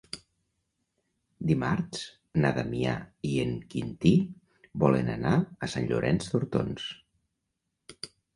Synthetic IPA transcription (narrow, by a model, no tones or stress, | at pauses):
d̪imaɾt͡s | naðamia̰ieŋkint̪i | bɔlənanaəsanʎuɾʔɛnzt̪uɾt̪ons